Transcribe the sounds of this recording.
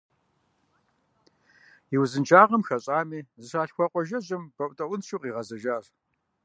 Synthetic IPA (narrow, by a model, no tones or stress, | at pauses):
iwzɨnt͡ʃʰʼaːʁɐmxɐɕʼaːmiːzɨʃaːɬxʷɐqʷʼɔʒɐʑɪmb̥ɐʔʷʼtʼɐʔʷʊnʃuqʼiːʁɐzɐʒaːr